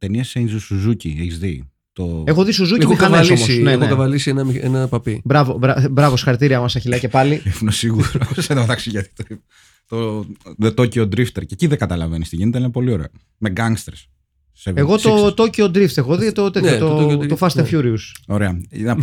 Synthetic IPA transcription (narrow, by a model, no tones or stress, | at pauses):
t̪eniɐsejnzusuzucieçizði | t̪oexoðisuzucikɐnesomossnekɐvɐlisienɐmḛnɐpɐpibɾɐvobɾɐbɾɐvosi̥xɐɾit̪iɾiɐmɐsɐçilɐcepɐliefunesiɣuɾoseðɐɐt̪ɐksiʝɐt̪i̥t̪oi | t̪o | t̪ociod̪ɾift̪eɾceciðeɡɐt̪ɐlɐvenist̪ḭʝinet̪enɐpo̞lio̞ɾeo | meɡɐŋɡst̪eɾs | seveɣo̞so̞t̪o̞ciod̪ɾift̪exoðit̪ot̪ejot̪ot̪ofɐst̪efjuɾiuso̞ɾeɐnɐ